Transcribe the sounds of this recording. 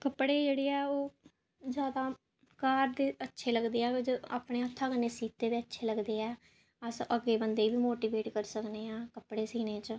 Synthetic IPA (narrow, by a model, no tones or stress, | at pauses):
kəpɽeːd͡ʒeːɽeːɛːoː | zjaːd̪aː | kaːɾd̪eːətːʃʰeːləɡd̪eːɛːd͡ʒa̰ːpɽeːət̪ʰːaːɡəneːsiːt̪eːd̪eːətːʃʰeːləɡd̪eːɛː | əsʔəɡeːbənd̪eːiːbiːmoːʈiːbeːʈkəɾsəkneːãːkəpɽeːsiːnẽːt͡ʃ